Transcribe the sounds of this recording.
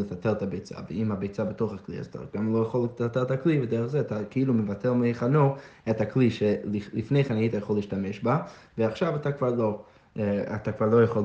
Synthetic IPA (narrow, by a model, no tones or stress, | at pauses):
lefateʁtabejt͡sa̰veimabejt͡sabetoχaklia̰zat̪ʰa̰ɡamlojaχoltateʁtaklivedeʁəχzeatakeilumevatʰeʁmeeχanoethakliʃelilifnejχanajitajaχolːiːʃtameʃbaveaχʃavatakv̥aʁlo | a̰t̪akv̥aʁlˠojaχol